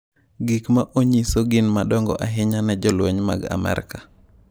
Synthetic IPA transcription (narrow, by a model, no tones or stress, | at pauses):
ɡikmaʔoɲisoɡɪnmaɗɔŋɡɔ̰ʔaɦɪɲanɛd͡ʒɔlwoɲma̰ɡa̰mɛ̰ɾ̰kḁ